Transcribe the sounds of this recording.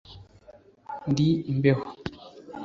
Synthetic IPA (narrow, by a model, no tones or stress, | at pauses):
ndimbeho